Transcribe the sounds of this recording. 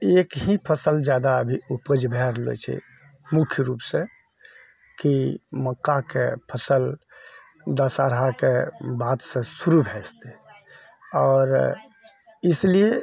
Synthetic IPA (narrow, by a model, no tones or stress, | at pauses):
eːkɦipʰəsəld͡ʒjad̪aəbʱiupəd͡ʒbʱɛɾlo̰t͡ʃʰɛ̰ | mukʰjɾuːpsẽ | kiməkːakḛpʰəsəl | d̪əsaɾɦakebaːt̪sẽsuɾubʱɛst̪e | ɔːɾ | islie